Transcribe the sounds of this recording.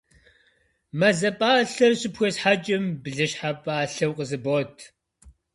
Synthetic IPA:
mɐzɐpʼaːɬɐrɕɪpxʷesħat͡ʃʼɪmbɮɨɕħapʼaːɬɐwqʼəzɨboːtʰ

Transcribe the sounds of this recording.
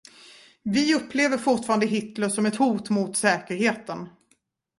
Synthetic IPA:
vɪɵpːleːvəɾfʊʈfɑːɾand̪əɦɪt̪ləʂɔmɛt̪huːt̪mʊt̪sɛːkəɾheːt̪ən

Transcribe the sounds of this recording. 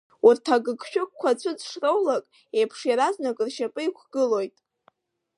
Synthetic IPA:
urtʰaɡɨɡʃᶣʊk̚kʷʰːat͡ɕʷʰʼʊd͡zʂrowlakʼ | ejpʰʂjaɾaznakʼɨrʃapʼɨikʷʰɡ̥ɨlo̞jtʼ

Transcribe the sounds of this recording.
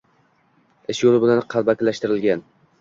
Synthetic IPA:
ɪʃjolɪbɪlanqʰɑlbakʲɪlaʃt̪ɪɾɪlɡʲan

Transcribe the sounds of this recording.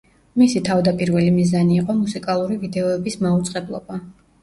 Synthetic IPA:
misit̪ʰavd̪apʼiɾvɛlimizaniːqʼɔmusikʼalˠuɾivid̪ɛɔɛbismaut̪sʼqʼɛblˠɔ̰ba

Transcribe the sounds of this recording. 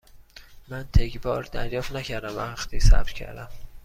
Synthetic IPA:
mænt̪ʰecʰbɒːɾd̪æ̰ɾjɒːft̪næcʰæɾd̪æmææxt̪iːsæ̰b̥̪cʲʰæ̰ɾd̪æm

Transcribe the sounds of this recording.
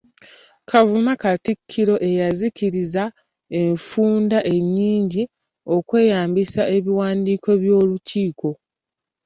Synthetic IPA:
kʰavumakatikʰːiɾo̞ʔe̞jaziciɾiza | e̞ɱfuːndaʔe̞ɲːiːɲɟi | o̞kwe̞ːjaːmbisaʔe̞βiwaːndiːko̞βjo̞ːluciːko̞

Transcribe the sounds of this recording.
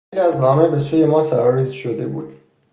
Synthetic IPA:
liæznɒːme̞be̞suːje̞mɒːsæɾɒːɾiːzʃod̪e̞buːd̪̥

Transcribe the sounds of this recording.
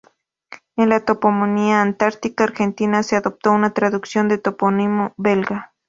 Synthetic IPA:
enlat̪opomoniaːnt̪aɾt̪ikaːɾxent̪inaseaðop̚t̪ounat̪ɾaðuksjond̪et̪oponimobelɡa

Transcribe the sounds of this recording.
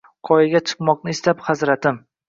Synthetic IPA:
qʰɒjɪɡʲat͡ʃʰɨ̥qmɒqnɪɪst̪aphazɾat̪ɪm

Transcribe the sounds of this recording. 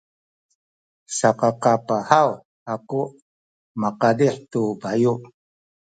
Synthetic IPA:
saqɑqapahaw | aku | maqadiħt̪ubaju

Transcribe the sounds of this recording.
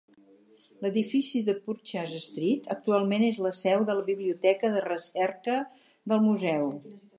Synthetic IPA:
ləðifisiðəpuɾt͡ʃazəst̪ɾit̪ək̚t̪ualˠmenezləsɛwðələβiβliut̪ɛkəðərəsɛrkə | ðəlˠmuzɛw

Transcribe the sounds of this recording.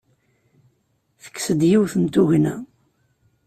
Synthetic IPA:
θə̥kːsəd̪jiwθənt̪uʝnæ

